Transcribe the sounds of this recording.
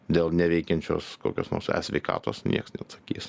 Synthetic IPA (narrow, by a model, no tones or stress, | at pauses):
d̪ʲeːlˠnʲɛʋʲɛɪkʲɛnʲt͡ʃʲo̰ːskoːkʲoːsno̰ːsɛ̰sʲʋʲɛɪkɑ̰ːt̪oːsnʲiɛksnʲɛɐt̪sɐ̥kʲḭːs